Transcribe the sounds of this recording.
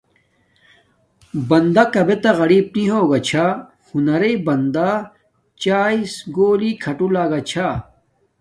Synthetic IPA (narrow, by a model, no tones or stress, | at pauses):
bɐnd̪akɐbet̪ɐɣɐɾiːb̚niɦoːɡɐt͡ɕʰa | hunɐɾɐibɐnd̪a | t͡ɕaːisɡoːlikʰɐʈulaːɡɐt͡ɕʰa